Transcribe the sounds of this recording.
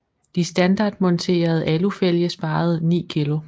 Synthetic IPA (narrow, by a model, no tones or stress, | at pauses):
d̥isd̥ænd̥ɑ̈ːd̥mɔ̽nt͡sʰe̝̰ːɐð̞̩ˠælufel̰jəsb̥ɑ̈ːð̞̩ˠnḭːkʰilo̝